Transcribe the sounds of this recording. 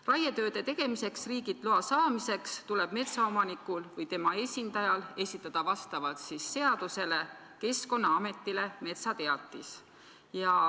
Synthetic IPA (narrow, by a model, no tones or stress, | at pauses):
rɑjet̪ø̞ːd̪̥e̞t̪e̞ɡ̥e̞mise̞ksriːɡ̥it̪ˑluɑsɑːmise̞kst̪ule̞b̥me̞t̪sɑo̞mɑnikːˑulvɯjt̪e̞mɑe̞sʲind̪ɑjɑle̞sʲit̪ːˑɑd̪̥ɑvɑst̪ɑvɑlt̪sisːe̞ɑd̪̥use̞le̞ | ke̞sko̞nːɑɑme̞t̪ːˑile̞me̞t̪sɑt̪e̞ɑt̪ːˑis | jɑ